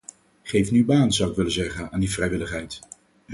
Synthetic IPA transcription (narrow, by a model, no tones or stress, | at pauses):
χejfnybaːnzʌwɪkʋɪlənzɛχənaːndivrɛjʋɪləχɦɛjt